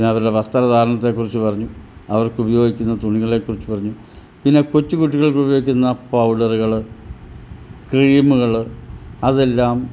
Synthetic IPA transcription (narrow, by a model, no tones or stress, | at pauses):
inːeɐʋɐɾuɽe̞ʋɐst̪ɐɾɐd̪ʱaːɾɐɳɐt̪ːe̞kːurit͡ɕːupɐrɐɲːuɐʋɐrkubɐjo̞ːɡikʲːunːɐt̪uɳiɣɐɭe̞ːkːurit͡ɕːɨpɐrɐɲːu | pinːe̞kot͡ɕːukuʈːiɣɐɭkubɐjo̞ːɡikʲːunːɐpɐwɖɐruɣɐɭɨ | kriiːmuɣɐɭɐðe̞lːaːm